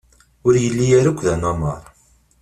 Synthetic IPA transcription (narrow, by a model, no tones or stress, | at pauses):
ʊɾjəlːijæɾakʷːðænamɑ̰ɾˤ